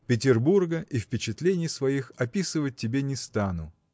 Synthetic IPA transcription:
pʲɪtʲɪrburɡəʔifpʲɪt͡ɕɪt̪lʲenʲɪjsvɐixɐpʲisɨvət̚ʲtʲːɪbʲenʲɪst̪anʊ

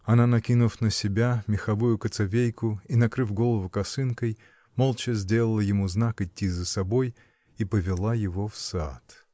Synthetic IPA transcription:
ɐnanɐkʲinʊfnəsʲɪbʲamʲɪxɐvujʊkət̪sɐvʲejkʊinɐkɾɨfɡo̞lˠəvʊkɐsɨnkəj | molˠt͡ɕəzʲdʲe̞lˠəlˠəjɪmuznakɪtʲːizəsɐboj | ipəvʲɪlˠajɪvofsa̰t̪

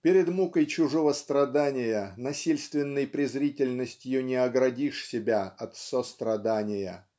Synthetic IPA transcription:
pʲɪɾʲɪd̪mukəjt͡ɕʊʐovəst̪ɾɐd̪anʲɪjənɐsʲilʲst̪vʲɪnːəjpɾʲɪzɾʲitʲɪlʲnːəsʲtʲjɪjonʲɪɐɡɾɐdʲiʂsʲɪbʲaɐt̪sost̪ɾɐd̪anʲɪjə̰

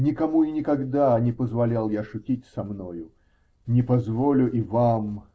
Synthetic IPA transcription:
nʲɪkɐmuɪnʲɪkɐɡd̪anʲɪpəzvɐlʲalˠjaʂʊtʲitʲsɐmnojʊ | nʲɪpɐzvolʲʊʔivam

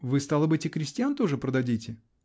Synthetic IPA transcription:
vɨst̪alˠəbɨtʲɪkɾʲɪsʲtʲɪjant̪o̞ʐɨpɾəd̪ɐdʲitʲɪ

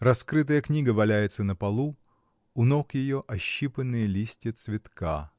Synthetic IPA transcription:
rɐskɾɨt̪̬əjəknʲiɡəvɐlʲæjɪt̪sənəpɐlˠu | ʊnokjɪjoʔɐɕːipənːɨjəlʲisʲtʲɪət̪svʲɪt̪ka

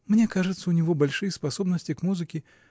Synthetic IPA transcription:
mnʲɛkaʐɨt̪sːɐunʲivɔbalʲʂɨjɐspasɔbnəsʲt͡sʲikmuzɨkʲi

